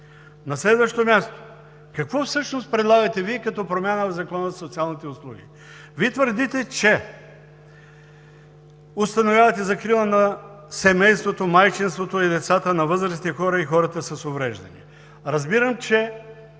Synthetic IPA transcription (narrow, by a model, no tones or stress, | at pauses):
nɐslɛd̪vəʃt̪omʲast̪o̥ | kɐkvɔfsɤʃnost̪̚pɾɛd̪lˠaɡɐt̪ɛviɛkɐt̪ɔpɾomʲanəvzɐkɔnəzot̪sialˠnit̪ɛʊslˠuɡ̟ʲḭ | vit̪vəɾd̪it̪ɛt͡ʃɛ | ost̪ɐnovʲjavɐt̪ɛzɐkɾilˠənɐ | sɛmɛjst̪vot̪omajt͡ʃinst̪vot̪oid̪ɛt̪sat̪ənɐvɤzɾɐst̪ɛxɔɾəixɔɾɐt̪əsɐsovɾɛʒd̪ɐnḭ | ɾɐzbiɾəmt͡ʃɛ